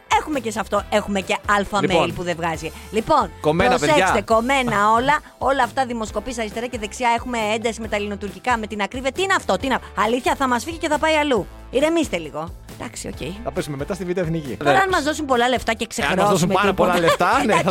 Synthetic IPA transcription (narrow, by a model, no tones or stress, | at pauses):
e̞xume̞ce̞sɐft̪o̞e̞xumece̞ɐlfɐmeilpuðe̞vɣɐzi | lipo̞nkomenosekɐst̪eko̞me̞nɐo̞lɐ | o̞lɐːft̪ɐðimo̞sko̞pisɐɾist̪eɾɐce̞ðe̞ksiɐe̞xume̞end̪ɐsime̞t̪ɐlino̞t̪uɾcikɐme̞t̪inɐkɾiviɐt̪iineɐft̪o̞t̪inɐɐliθçɐθɐmɐsfiʝice̞θɐpɐiɐlu | iɾe̞mist̪eliɣo̞ | d̪̥ɐksio̰cḛjnɐpesumemet̪ɐst̪ivid̪eoeθnicḭoɾɐnmɐzðo̞sumpo̞lɐle̞ft̪ɐceksexɐozosumepolɐet̪ɐn